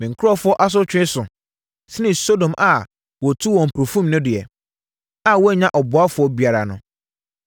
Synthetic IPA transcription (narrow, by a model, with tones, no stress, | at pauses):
mɪ̃˨ŋ̩˨kʰʊ˦ɾɔ˦fʊ˦ɔ˦ʔa˦s̬ʊ˦t͡ɕᶣɪ˦ɪ˦sʊ˨ | sɪ˦nɪ̃˨so˦dõ˨mʔa˨ | wɔ˨tʰu˦wɔ̃˨m̩˨pʰɾo˨fũ˦mnʊ̃˦dɪ˨ɛ̰˨ | a˨wɔ˦ɛ˦ɲã˦ʔɔ˨bʊ˨a˦fʊ˨˦ɔ˦bi˨a˨ɾa˨nʊ̃˨